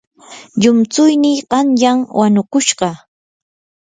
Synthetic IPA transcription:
ʎʊmt͡sʊjnɪɢɑnjaŋwanʊkʊʃɢɑ

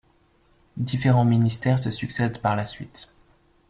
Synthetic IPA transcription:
d̪ifeʁɑ̃minist̪ɛʁs̬əsyksɛd̪paʁlasɥḭt̪

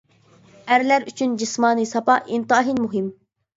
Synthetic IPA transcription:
æɾlæɾyt͡ʃʰynd͡ʒismɑːnɨsɑpɑʔint̪ɑːɦinmuɦɪm

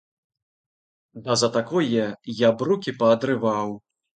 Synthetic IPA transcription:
d̪ɐzɐt̪akɔjɛjabɾukʲipɐːd̪ɾɨvaw

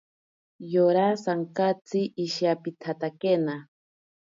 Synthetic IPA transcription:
joɾasaŋkat͡siʔiʃjapit̪ʰat̪akena

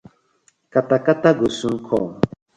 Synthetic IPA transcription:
katakataɡosuŋ̩kʰɔ̰ŋ

